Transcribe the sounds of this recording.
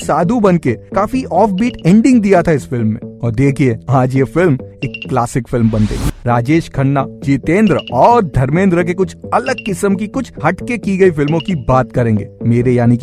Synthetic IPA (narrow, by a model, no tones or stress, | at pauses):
saːd̪ʱubɐnkekaːfiʔɔːfbiːʈɛ̃ːɳɖɪ̃ŋɡd̪ijat̪ʰaɪsfɪlmːḛ̃ɔːɾd̪eːkʰieaːd͡ʒjefɪlmeːkːlaːsɪkfɪlmbɐnt̪ḛːiːɾaːd͡ʒeːʃkʰɐɳːad͡ʒiːt̪ẽːnd̪ɾəɔːɾd̪ʱɐɾmẽːnd̪ɾək̬ekʊt͡ʃʰɐləɡ̚kɪsəmkikʊt͡ʃʰhɐʈkekiɡɐifɪlmõkibaːt̪kɐɾẽːŋɡḛmeːɾejaːnik